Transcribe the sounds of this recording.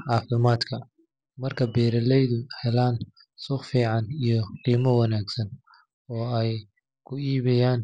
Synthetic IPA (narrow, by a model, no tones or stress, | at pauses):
ʕɑːfɪmaːd̪kʰɐ | mɐrkʰɐbɛːɾɐlɛjðʊhɛlaːn | sʊχfiːʕɑnijɞqiːmɐwɑnaːɡsɐn | ɔːɛj | kʰʊiːβɪjaːn